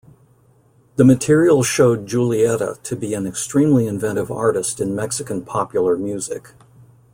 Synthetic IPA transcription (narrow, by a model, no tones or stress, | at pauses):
ðɨmɨtʰɪɹil̩ˠʃoʊd̚d͡ʒulˠiɛɾə̰ɾʰɨbiɨ̃nɨkstɹ̥ĩmliɨ̃ɱvɛ̃ɾ̃ɨvɑ̰ɹɾɨstɨ̃nmɛksɨkɨ̃n̩pʰɑpjl̩ˠə˞mjʉzɪ̰k